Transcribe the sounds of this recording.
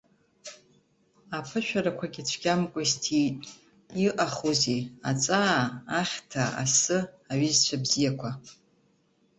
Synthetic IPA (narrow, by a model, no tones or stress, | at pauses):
apʰɨʃᶣaɾakʷʰaɡʲɪt͡ɕʷʰɡʲamkʷʼʊztʰitʼ | iʔʼaχuzeat͡sʷʼaːχʲtʰaa̰sɨ | aɥizt͡ʃʷʰabzijakʷʰa